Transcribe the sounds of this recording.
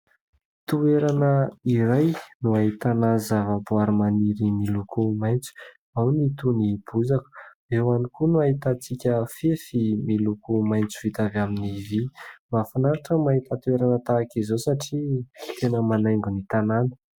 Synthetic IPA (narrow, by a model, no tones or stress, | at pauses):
t̪ueɾanəiɾajnuaɦit̪anazavabuaɾimaniɾimilukʰumajnt͡su̥ | awnit̪unib̥uzaku̥ | ewanikunuaɦit̪at͡sikʲəfefimilukumajnt͡su̥vit̪avaminivimafanaɾaʈ͡ʂəmaɦit̪at̪ueɾanət̪aːkizosaʈ͡ʂit̪enəmanajŋɡunit̪ananə̥